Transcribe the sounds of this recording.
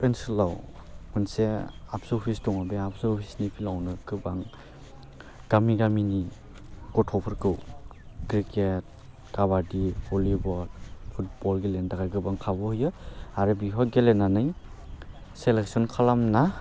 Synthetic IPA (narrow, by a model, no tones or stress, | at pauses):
pensɯlawmɯnseapsɔpʰistɔŋabeapsɯɔpʰisnipʰilawnɯɡɯbaŋ | ɡ̥amiɡamini | kɔtʰɔpʰɯɾkɯwɡɾiket̚ | ɡ̥abadiɔlibɔɾpʰut̚pɔɾɡelendaɡajɡɯbaŋkʰabɔhɯjɯaɾɯbiɦɔt̚ɡelenanɯj | selek̚sɔnkʰalamna